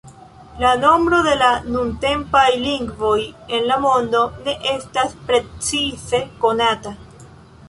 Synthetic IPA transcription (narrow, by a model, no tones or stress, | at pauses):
lano̞mbɾo̞ðe̞lanunte̞mpajliŋɡvo̞je̞nlamo̞nd̪o̞ne̞ʔe̞staspɾe̞t͡sise̞ko̞nata